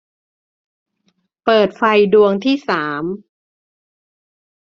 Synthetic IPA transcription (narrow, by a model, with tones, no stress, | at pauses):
pɤː˨˩t̪̚fa˧jdu˧əŋt̪ʰiː˥˩saː˩˦m